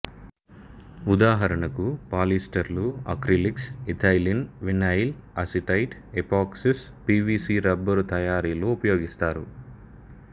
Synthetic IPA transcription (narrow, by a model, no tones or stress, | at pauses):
ud̪aːɦɐɾɐɳɐkupaːlisʈɐɾluɐ̰kɾiliksit̪ʰaːjlinʋinɐjl | ɐsiʈɐjʈ | epaːksispiːʋiːsiːɾɐbːɐɾut̪ɐjaːɾiːloupɐjoːɡist̪aːɾu